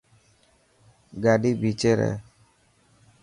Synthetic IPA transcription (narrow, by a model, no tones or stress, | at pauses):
ɡaɖibit͡ʃeɾɛ̰